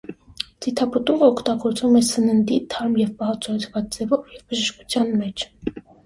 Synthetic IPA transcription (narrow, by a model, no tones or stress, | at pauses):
d͡zit̪ʰɑpət̪uʁəɔkʰt̪ɑɡɔɾt͡svumɛsənənd̪it̪ʰɑɾmjɛvpɑhɑt͡sʰuhɛt͡sʰvɑt͡sd͡zɛvɔvjɛvbəʒəʃku̥t͡sʰjɑnmɛt͡ʃʰ